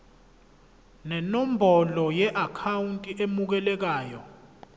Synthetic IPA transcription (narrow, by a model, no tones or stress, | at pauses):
nɛnɔm̩bʱɔlɔjɛʔakʰawuntʼiʔemuk̬ɛlɛk̬aːjɔ